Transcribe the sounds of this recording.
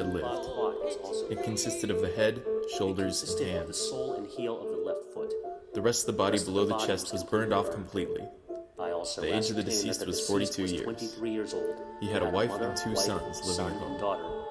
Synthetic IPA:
ɨdˡlɪ̰vd̥ | ɨt̚kʰɨ̃n̩sɪstɨɾʌvðɨɦɛdʃoʊlˠdə˞zɨ̃nhæ̃ndzzol̃ˠnhilˠʌvðəlɛftfʊtðɨɹɛstʌvðəbɑɾibəloʊðɨt͡ʃʰɛst̚wʌzbɜ̃˞ndɔfkʰm̩pʰl̥itˡlḭ | ðieɪd͡ʒʌvðɨdɨsist̚wʌz̥fɔɹɾitʰʉjɪ̰ɹɛ̃nɹjɪɹzolˠdhiɨɾəwaɪfɨ̃ntʰʉsʌ̃nzlɪvɪ̃ŋɨkʰõ̰

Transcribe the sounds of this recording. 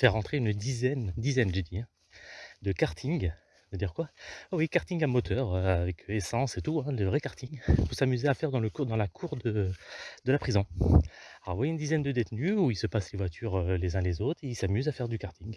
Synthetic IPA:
fɛʁːɑ̃t̪χeynd̪izɛnd̪izɛnʒed̪iɛ̃ | d̪əkaʁt̪ʰiŋ | d̪əd̪iʁkwaawikaʁt̪iŋamɔt̪ʰœʁøavɛkʰøesɑ̃set̪uɛ̃ləvʁɛkaʁt̪iŋpuʁsamyzeafɛʁd̪ɑ̃ləkud̪ɑ̃lakʰuʁd̪əd̪̥əlapχizɔ̃ | alɔ̰ʁvwajeynd̪izɛnd̪əd̪et̪nyuilsəpaslevwat̪ʰyʁølezɛ̃lezot̪χeilsamyzafɛʁd̪ykaʁt̪iŋ

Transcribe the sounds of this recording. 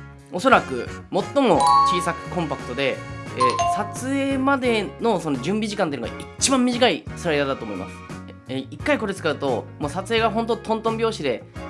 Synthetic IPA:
o̞so̞ɾakɯ̟̰mo̞t̪ːo̞mo̞t͡ɕiːsakɯ̟̥kõ̞mpakɯ̟̥t̪o̞d̪e̞eːsat͡sɨeːmad̪e̞no̞sono̞d͡ʑɨ̃mbʲiʑikãt̪eiɯnoɡa̰ʔit͡ɕibãmːʲiʑikaisɨɾaid̪ad̪at̪oːmo̞ḭmʔa̰sɨ̥ | eikːaiko̞ɾet͡sɨ̥kaɯ̟t̪o̞moːsat͡sɨe̞ːɡaɦõ̞nt̪̬ot̪ʰõ̞nt̪õmbʲo̞ːɕid̪e̞

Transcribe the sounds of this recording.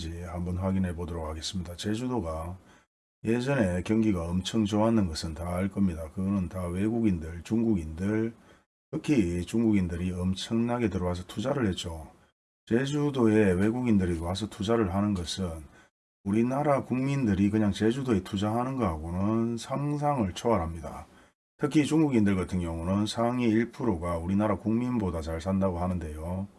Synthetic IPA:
d͡ʑihambʌnɸwaɡinɦe̞bodɯɾokʰaɡe̞s͈ɯmɲidat͡ɕe̞d͡ʑudoɡa | je̞d͡ʑʌne̞kjʌŋɡiɡaʌmt͡ɕʰʌŋt͡ɕoanːɯnɡʌsʰɯntaːɭk͈ʌmɲidakɯɡʌnɯntawe̞ɡuɡindɯɭt͡ɕuŋɡuɡindɯɭ | kɯkʰit͡ɕuŋɡuɡindɯɾiʌmt͡ɕʰʌŋnaɡe̞tɯɾʌɡas̬ʰʌ̥tʰud͡ʑaɾɯɭhet̚t͡ɕ͈o | t͡ɕe̞d͡ʑudoe̞we̞ɡuɡindɯɾitowas̬ʰʌtʰud͡ʑaɾɯɭɦanɯnɡʌsʰɯn | uɾinaɾakuŋmindɯɾikɯɲaŋt͡ɕe̞d͡ʑudoe̞tʰud͡ʑaɦanɯnɡʌɦaɡonɯnsʰaŋs̬ʰaŋɯɭt͡ɕʰoaɾɦamɲida̰ | tʰɯkʰit͡ɕuŋɡuɡindɯɭɡatʰɯŋjʌŋunɯnsʰaŋiiɭpʰɯɾoɡauɾinaɾakuŋminbodat͡ɕaɭsʰandaɡoɦhanɯnde̞jo

